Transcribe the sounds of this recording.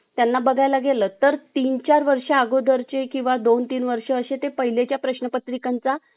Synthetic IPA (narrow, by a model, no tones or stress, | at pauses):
t̪janːabəɡʱajlaɡeləːt̪əɾt̪iːnt͡ɕaɾʋəɾʂaaɡod̪ʱəɾt͡ɕekĩw̃ʋad̪ont̪iːnʋəɾʂəəɕet̪epəɦilet͡ɕjapɾəɕnəpət̪ɾikant͡sa